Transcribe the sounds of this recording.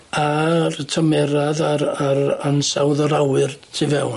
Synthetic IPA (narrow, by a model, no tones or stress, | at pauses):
artʰəmɛɾaðaɾaɾansawðɔɾawɨrtʰivɛwn